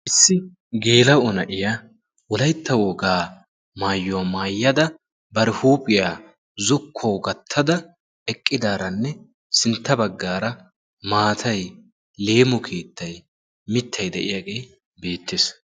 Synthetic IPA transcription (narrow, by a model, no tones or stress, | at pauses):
ʔɪsːɪ | ɡe̞ːlɐwɔnɐʔɪja | wɔlɐjt̪ːɐwɔɡaː | maːjːɔwamaːjːɐd̪ɐ | bɐɾɪhuːpʼɪjaː | zʊkʰːɔwɡɐt̪ʰːɐd̪ɐ | ɛkʼːɪd̪aːɾɐnːɛ | sɪnt̪ːɐbɐɡːaːɾɐ | maːt̪ʰɐj | le̞ːmɔkʰeːt̪ːɐj | mɪt̪ʰːɐjd̪ɛ̰ʔɪjaːɡe̞ː | be̞ːt̪ːes